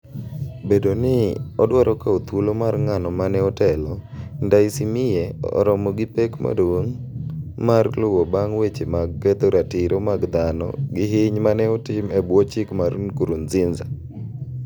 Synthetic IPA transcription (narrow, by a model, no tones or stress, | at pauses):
bedonɪɔdwaɾʔɔkaot̪wulomarŋanɔmanɛɔtɛlɔndaisimɪjɛɔ̰ɾɔmɔɡɪpekma̰dwoŋ | marlʊwobaŋwet͡ʃemaɡːɛt̪oɾatɪɾʔomaɡd̪anɔ̰ɡɪɦɪɲmanɛɔtɪmɛbwɔt͡ʃɪkmaɾṵnkuɾunzɪnza